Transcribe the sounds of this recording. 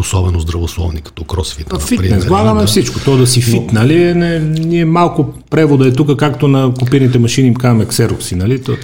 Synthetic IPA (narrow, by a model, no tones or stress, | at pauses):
osɔbɛnozd̪ɾɐvoslˠɔvnikɐ̥t̪ɔkɾɔsfit̪nfipɾinɛzlˠaɡɐmɛfsit͡ʃkot̪ɔd̪ɐsifit̪nɐlinɛniɛmalˠkopɾɛvod̪ɐɛt̪ukəkakt̪onɐkopiɾnit̪ɛmɐʃinimkazmɛksɛɾofsinɐlit̪ɔ